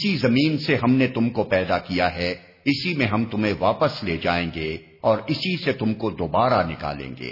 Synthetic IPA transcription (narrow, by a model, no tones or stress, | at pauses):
sizɐmiːnseɦɐmnet̪ʊmkopɛːd̪akijaɦɛ | ɪsimẽɦɐmt̪ʊmẽʋaːpəsleːd͡ʒaːẽːŋɡe | ɔːɾɪsiset̪ʊmkod̪oːbaːɾanɪka̰ːlḛ̃ːŋɡḛː